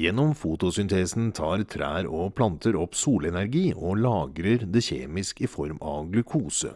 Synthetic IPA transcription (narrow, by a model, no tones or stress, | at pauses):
jɛnːɔmfuːt̪ʊsʏnt̪ʰeːsn̩t̪ʰɑːɾt̪ʰɾæ̰ːɾɔpʰlɑnt̪ʰəɾɔpsuːlɛnæɾɡiːʔɔlɑːɡɾəɾd̪ɛçḛːmɪskɪfɔɾmɑ̰ɡlʉkʰuːsə̰